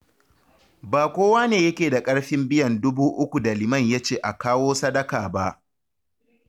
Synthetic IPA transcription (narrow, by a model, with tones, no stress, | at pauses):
baː˨kʷoː˦waː˦neː˨jɐ˦kʲeː˨da˨kʼɐ˦ɽɸɪ˦mbɪ˦jɐ˨ndʊ˦buː˦ʔʊ˦kʷu˨da˨lɪ˨mɐ˦˨ɲja˦t͡ʃeː˦˨ʔa˨kaː˦woː˦sɐ˦dɐ˦kaː˨ba˦ʔ